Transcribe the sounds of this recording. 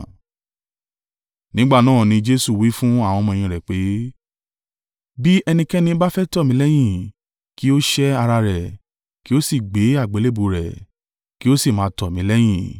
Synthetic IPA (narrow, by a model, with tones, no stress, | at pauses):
nĩ˦ɡ͡ba˦˨nãː˦˨nĩ˧d͡ʒe˦su˦˨wi˨˦fũ˦a˦˨w̃ɔ̃˧mɔ̃˧ĩ˨ɾɛ˨k͡pe˨˦ | bi˦ɛ˧nĩ˧kɛ˦nĩ˧˦ba˦fɛ˦tɔ˦˨mĩ˨˦lɛ˦j̃ĩ˦˨ | ki˦o˦ʃɛ˦a˧ɾa˧ɾɛ˨ | ki˦o˦si˦˨ɡ͡be˨˦a˦˨ɡ͡be˨˦le˦bu˨ɾɛ̰˨ | ki˦o˦si˦˨mã˨˦tɔ˨mĩ˨˦lɛ˦j̃ĩ˦˨